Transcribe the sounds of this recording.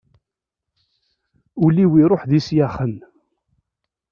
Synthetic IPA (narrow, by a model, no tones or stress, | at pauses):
uliwiɾˤoħðisjaχən